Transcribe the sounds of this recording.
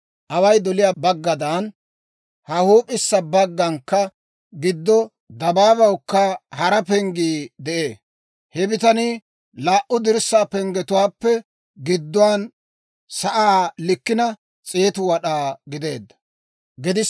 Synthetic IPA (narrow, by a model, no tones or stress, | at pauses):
ʔɐwɐjd̪ɔlɪjaːbɐɡːɐd̪ɐn | hɐhuːpʼɪsːɐbɐɡːɐŋkːɐ | ɡɪd̪ːɔ | d̪ɐbaːbɐwkːɐhɐɾɐpɛŋɡiːd̪ɛʔeː | hɛbɪt̪ɐni | laːʔʊd̪ɪɾsːaːpɛŋɡɛt̪ʊwaːpːɛ | ɡɪd̪ːʊwaːn | sɐʔaːlɪkːɪnɐ | t͡sʼeːt̪ʊwɐɗaːɡɪd̪e̞ːd̪ːɐ̥ | ɡɪd̪ɪ